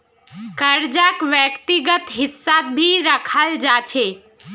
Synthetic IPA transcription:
kəɾd͡ʒakʋjəkt̪iɡət̪ɦɪsːat̪̚bʱiɾəkʰəld͡ʒat͡ʃʰe

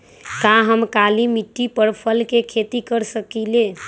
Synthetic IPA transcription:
kãɦəmkalimiʈːipəɾpʰəlkekʰet̪ikəɾsəkile

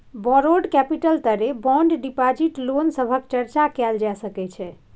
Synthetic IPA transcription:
bɔɾoɖkɛpiʈəlt̪əɾebɔ̃ɳɖɖipad͡ʒiʈlonsəbʱəkt͡ʃəɾt͡ʃakɛld͡ʒasəkɛt͡ʃʰɛ

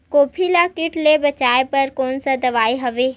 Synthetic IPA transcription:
koːpʰilakɪʈlebɐt͡ʃaːepɐɾkɔːnsɐd̪ɐʋaːiɦɐʋeː

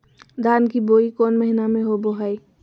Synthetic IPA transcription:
d̪ʱaːnkiboːikɔːnməɦɪnamẽɦoboɦaːi

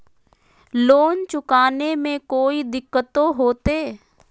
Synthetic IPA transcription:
loːnt͡ʃʊkaːnemẽkoːid̪ɪkːət̪õɦoːt̪eː

